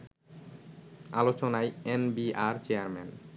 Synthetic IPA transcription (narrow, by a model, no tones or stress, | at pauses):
a̰lot͡ɕonajenbiaɾt͡ɕeaɾmɛ̰n